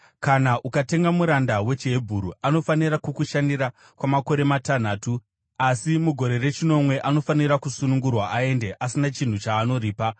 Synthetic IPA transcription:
kanaʔukate̞ŋɡamuɾandawe̞t͡ʃebʱuɾuano̞faniɾakukuʃandiɾa | kwamako̞ɾe̞matan̤aːtu | asimuɡʱo̞ɾe̞re̞t͡ʃino̞mwe̞ʔano̞faniɾakusunuŋɡurwaʔae̞nde̞ʔasinat͡ʃin̤ut͡ʃaːno̞ɾiːpa

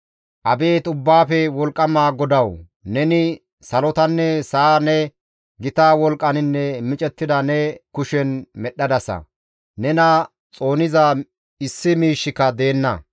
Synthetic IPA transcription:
ʔɐbe̞ːt̪ʊbːaːfɛwɔlkʼːɐmaːɡɔd̪ɐw | nɛnɪ | sɐlɔt̪ɐnːɛsaːnɛ | ɡɪt̪aːwɔlkʼːɐnɪnːɛmɪt͡ʃʼɛt̪ːɪd̪ɐnɛkʊʃɛnmɛɗːɐd̪ɐsɐ̰ | nɛnɐ | t͡sʼo̞ːnɪzɐ | ɪsːɪmiːʃːɪkːɐd̪e̞ːnːɐ̰

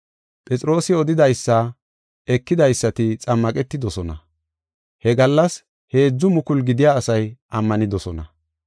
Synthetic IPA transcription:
pʼɛt͡sʼɾo̞ːsɪɔd̪ɪd̪ɐjsːɐ | ɛkːɪd̪ɐjsːɐt̪ɪt͡sʼɐmːɐkʼɛt̪ːɪd̪ɔsɔnɐ̰ | hɛɡɐlːɐs | he̞ːd͡zːʊmʊkʊlɡɪd̪ɪjaːsɐjʔɐmːɐnɪd̪ɔsɔnɐ

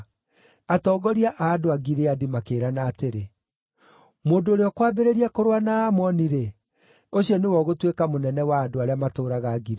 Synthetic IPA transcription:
atɔːɡɔɾiaʔaːdoaɡiɾeadimakeːɾanaːteɾe | moːndoːɾeɔkwaːbeɾeɾiakoɾwanaːmɔniɾe | oɕijɔnewɔɣotwekamonɛnɛwaːdoaɾeamatoːɾaɣaɡiɾe

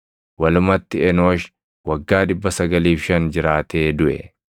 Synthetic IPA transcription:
wɐlʊmɐt̪ːɪɛnoːʃ | wɐɡːaːᶑɪbːɐsɐɡɐliːfʃɐnd͡ʒɪɾaːt̪eːd̪ʊʔɛ̰

